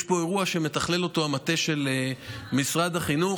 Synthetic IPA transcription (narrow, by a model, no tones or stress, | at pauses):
ʃbo̞e̞ʁuaʃe̞me̞t̪aχle̞lo̞t̪o̞amat̪e̞ʃe̞lemisʁad̪aχinu